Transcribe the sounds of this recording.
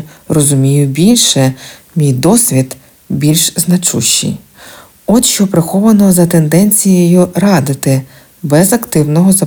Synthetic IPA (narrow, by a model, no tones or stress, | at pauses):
rɔzʊmʲijʊbʲilʲʃɛ | mʲijd̪ɔsʲʋʲid̪ | bʲilʲʃznɐt͡ʃṵʃːḭj | ɔt̪ʃt͡ʃɔpɾɪxɔʋɐnɔzɐt̪end̪ɛnʲt͡sʲijjɔjuɾɑd̪ɪt̪ɪ | bɛzɐkt̪ɪwnɔɦɔzɐ